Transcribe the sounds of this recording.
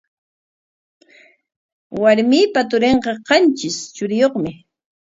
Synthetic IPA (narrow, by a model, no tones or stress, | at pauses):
waɾmiːpat̪ʊɾeɴqɑqɑnt͡ʃɪst͡ʃʊɾɪjoχmɪ